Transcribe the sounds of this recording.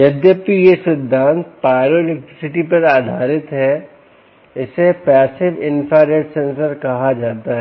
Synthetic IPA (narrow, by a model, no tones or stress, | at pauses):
jɐd̪jəp̪ijeʃɾɪd̪ʱːãːnt̪̚paːɪɾoɪlek̚ʈɾɪsɪʈipɐɾaːd̪ʱaːɾɪt̪ɦɛ | ɪsepɛːsɪʋɪnpʰaɾeːʈsẽːnsəɾkɐɦad͡ʒaːt̪aɦɛ